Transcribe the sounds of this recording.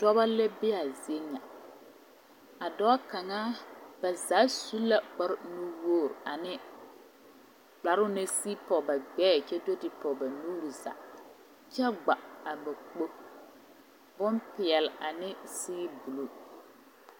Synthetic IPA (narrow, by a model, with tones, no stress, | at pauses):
dɔ˦ba˦lɛ˦bɪ˦a˨zi˨e˦ɲa˨ | a˨dɔ˦a˦ka˨ŋaː˦ba˨za˨˦su˦lːa˨k͡pɔ˦ɾnu˦woː˦˨ɾa˨nɪ˦ | ba˨ɾʊ˦nɪ˦siː˦pɔ˨ba˨ɡ͡bɛː˦˨t͡ʃɛ˦do˦tɪ˨pɔ˨ba˨nuː˦ɾu˨za̰˨ | t͡ʃɛ˦ɡ͡ba˨a˨ba˨k͡po˦ | bʊ˦npɪ˨ɛ˨la˨nɪ˦sɪː˦bu˨lo˦˨